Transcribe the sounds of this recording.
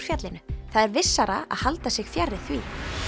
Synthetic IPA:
fjat̪lɪnʏθaðɛɾvɪsːaɾa̰a̰ðhalt̪asɪɣfjɛrːɪθviː

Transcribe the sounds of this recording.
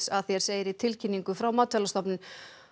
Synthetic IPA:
saðθjɛɾ̥seːjɪɾit̪ʰɪlcʰinːiŋkʏfɾawmaːt̪ʰɛlast̪ɔpnɪn

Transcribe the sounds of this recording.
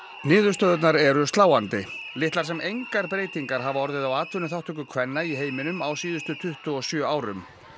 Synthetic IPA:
nɪːðʏɾst̪œːðʏt̪̬naɾɛɾʏst̪laːwant̪ɪlɪht̪laɾ̥sɛmejŋkaɾpɾeːjt̪iŋkaɾ̥ɦavaɔɾðɪðawaːt̪vʏnʏθawht̪ʏkʏkʰvɛnːaiɦeːjmɪnʏmawsiːðʏst̪ʏt̪ʰʏht̪ʏɔsjœːaːwɾʏ̰m

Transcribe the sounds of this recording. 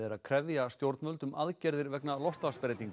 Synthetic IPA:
ɛɾaðkʰɾɛvjast̪jowɾt̪nmœlt̪ʏmaðcɛɾðɪɾvɛknalɔst̪laspɾejt̪iŋk

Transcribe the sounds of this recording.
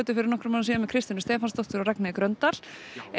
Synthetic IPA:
t̪ʏfɪɾɪɾnɔhkɾʏmansiːɣamɛðkʰɾɪst̪ɪnʏst̪ɛːfast̪ɔht̪ʏɾaɾɛknaðɪkɾœnt̪aɾ̥

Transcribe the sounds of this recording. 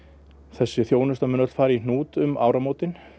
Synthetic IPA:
θɛsːɪθjoːwnʏst̪amʏnœt̪l̥faːɾɪinnuːt̪ʏma̰ːwɾamoːt̪ɪn

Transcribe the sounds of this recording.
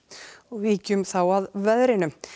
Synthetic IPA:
ɔɣviːcʏmθawaðvɛðɾɪnʏm

